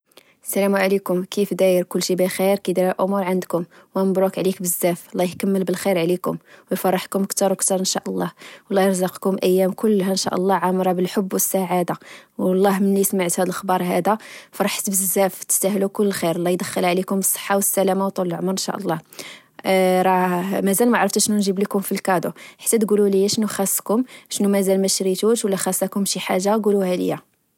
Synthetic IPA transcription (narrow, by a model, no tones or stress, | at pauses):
sælæmuʕlikʊmkifd̪æjəɾkʊlːʃibəxiɾkæd̪iɾəlʔʊmuɾʕand̪kʊmwænbɾukʕlikbəzːæflːæjkæmːəlbəlxiɾʕlikʊmwəjfɑrˤːɑħkʊmʔəkt̪ɑɾwəkt̪ɑɾˤənʃæʔəlˤːɑhwlːɑjəɾzɑqkʊmʔəjːæmkʊlːhanʃæ̰ʔə̰lˤːɑʕamɾˤɑbəlħobːwəsːaʕad̪awɑlˤːɑhmənlismaʕt̪hæd̪əlʔxbɑɾˤɦæd̪æfiɾˤɑħsəbəzːæft̪ə̥st̪æhlukʊlːəxiɾlːɑjd̪əxːəlʕlikʊməsˤːə̥ħːawəsːælæmawt̪ˤːollʕmɾənʃæ̰ʔəlˤːɑh | ɾˤɑmæzælmæʕɾˤəft̪æʃnunʒəblikʊmfilkɑd̪uħḁt̪ːæt̪ɡululəjːæʃnuxæsˤːkʊmʃnumæzælmæʃɾit̪uʃwəlːæxæsækʊmʃiħaʒːaɡuluhælə̰jːæ